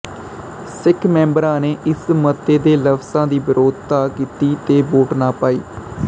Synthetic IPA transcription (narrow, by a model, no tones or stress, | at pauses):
sɪkʰmɛ̃ːmbəɾãːneːʔɪsmət̪ːeːd̪eːləpsãːd̪iːbɪɾʔoːd̪t̪aːkiːt̪iːt̪eːboːʈnaːpaːḭː